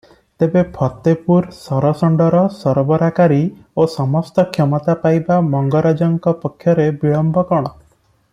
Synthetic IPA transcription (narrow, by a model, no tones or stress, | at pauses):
t̪ebepʰɔt̪ːepuɾsɔɾɔsɔɳɖɔɾɔsɔɾbɔɾakaɾi | osɔmɔst̪ɔkʰemɔt̪apajbamɔŋɡɔɾad͡ʒɔŋkɔpɔkʰːjɔɾebiɭɔmbʱɔkɔɽ̃ɔ